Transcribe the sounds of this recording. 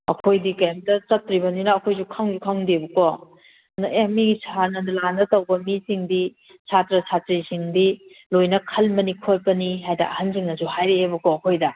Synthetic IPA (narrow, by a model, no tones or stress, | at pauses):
ɐ̰kʰojdikɐjamdɐt͡ʃɐtɾibɐninɐːkʰojsukʰaŋzukʰaŋdebɐkɔ | nɐʔemiɡisʰanɐdlandɐtɐwbɐmisiŋdi | sʰatɾɐsʰatɾisiŋdi | lojnɐkʰɐlmɐnikʰot̚pɐniɦajdɐ̰ʔɐhansiŋnɐsuhajɾeːbɐkɔɐkʰojdɐ